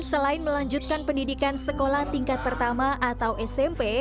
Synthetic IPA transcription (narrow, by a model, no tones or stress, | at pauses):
nsəlaɪnməlaɲd͡ʒut̪̚kanpəndidikansəkolaht̪iŋkat̪̚pərt̪amaʔat̪awʔɛsɛmpe